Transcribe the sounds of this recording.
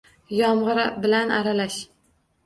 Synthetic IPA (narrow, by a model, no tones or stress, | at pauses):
jɒmʁɨɾabɪlanʔaɾalaʃ